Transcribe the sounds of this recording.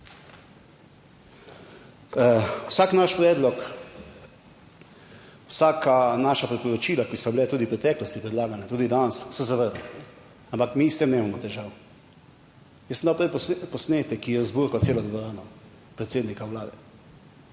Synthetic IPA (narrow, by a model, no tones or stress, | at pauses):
wsaːknaʃpɾɛːd̪lɔk | wsaːkanaːʃapɾipɔɾɔt͡ʃiːlakisɔbilɛt̪uːd̪ipɾɛt̪ɛːklɔst̪ipɾɛd̪laːɡanɛt̪uːd̪id̪ansːɔzaʋəɾd̪aɛ | ampakmist̪emneːmamɔt̪ɛʒaːw | jɛsənd̪awpɾɛpɔsneːt̪ɛkːijɛzbuɾkɔt̪seːlɔd̪ʋɔɾaːnɔ | pɾɛt̪seːd̪nikawlaːd̪ɛ